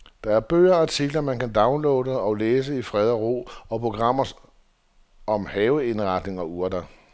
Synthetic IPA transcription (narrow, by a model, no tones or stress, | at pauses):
d̥ɑ̈æɐb̥ø̰ːɐɑt͡sʰiɡ̥lɐmænkænd̥ɑ̈ʊnloːdəɒ̽leːs̬əifʁɛð̞ˠɐʁo̝̰ːɒ̽pʰʁo̝ɡ̥ʁɑ̈m̰ɐs | ɒ̽mhɛːʊəe̝nʁɑ̈d̥ne̝ŋɒ̽uɐdɐ